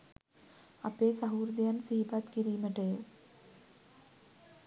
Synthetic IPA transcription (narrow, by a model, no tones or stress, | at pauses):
ɐpːeːsɐɦuːɾd̪jaːnsiɦipat̪kiɾiːmɐʈe